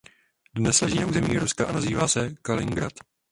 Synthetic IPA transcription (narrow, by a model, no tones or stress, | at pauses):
dnɛslɛʒiːnauːzɛmiːɾuskaʔanaziːvaːsɛkalɪŋɡɾa̰t̪